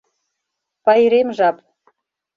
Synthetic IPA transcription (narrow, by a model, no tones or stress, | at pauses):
pɑjɾemʒɑp